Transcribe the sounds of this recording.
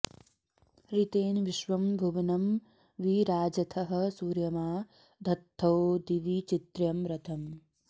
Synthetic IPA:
ɾit̪eːnʋiʃʋɐmbʱuʋɐnɐm | ʋiɾaːd͡ʒɐt̪ʰɐɦɐ̆suːɾjɐmaː | d̪ʱɐt̪ʰːɐwd̪iʋit͡ʃit̪ɾjɐmɾɐt̪ʰɐm

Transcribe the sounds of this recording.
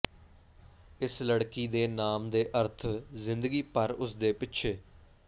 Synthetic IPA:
ɪsləɽkiːd̪eːnaːmd̪eːʔəɾt̪ʰzɪ̃nd̪əɡiːpəɾʊsd̪eːpɪtːʃʰeː

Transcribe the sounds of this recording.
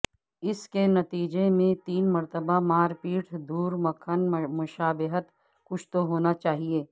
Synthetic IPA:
ɪskenɐt̪iːd͡ʒemẽt̪iːnmɐɾt̪əbamaːɾpiːʈʰd̪uːɾmɐkʰənmʊʃaːbɪɦət̪ | kʊt͡ʃʰt̪oɦoːnat͡ʃaːɦieː

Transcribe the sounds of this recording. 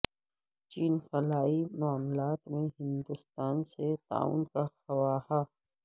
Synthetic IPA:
t͡ʃiːnxɐlaːimaːmlaːt̪mẽɦɪ̃nd̪ʊst̪aːnset̪a̰ːṵːnkaxɐwaːha

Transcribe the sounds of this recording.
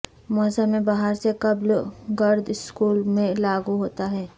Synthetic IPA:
mɔːsamːẽbaːɦəɾsekɐblɡɐɾd̪ɪskuːlmẽlaːɡuɦoːt̪aɦɛː

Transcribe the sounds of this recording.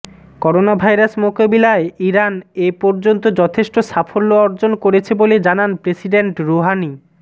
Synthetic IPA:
kɔɾonabʱajɾasmokabilaeiɾanepɔɾd͡ʑont̪od͡ʑɔt̪ʰeʃʈosafʰolːoɔɾd͡ʑonkoɾet͡ɕʰeboled͡ʑananpɾesiɖeɳʈɾoɦani

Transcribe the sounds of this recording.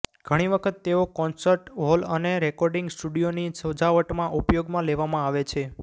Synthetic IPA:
ɡ̥ʱəɽ̃iʋəkʰət̪ːeokɔnsəɾʈɦoləneɾekɔɾɖɪŋɡsʈuɖijonisəd͡ʒaʋəʈmãʔupjoɡmãleʋamãaʋet͡ʃʰe

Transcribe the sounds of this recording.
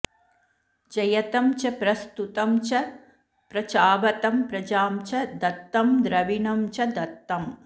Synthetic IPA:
d͡ʒɐjɐt̪ɐmt͡ʃɐpɾɐst̪ut̪ɐmt͡ʃɐ | pɾɐt͡ʃaːbɐt̪ɐmpɾɐd͡ʒaːmt͡ʃɐd̪ɐt̪ːɐmd̪ɾɐʋinɐmt͡ʃɐd̪ɐt̪ːɐm

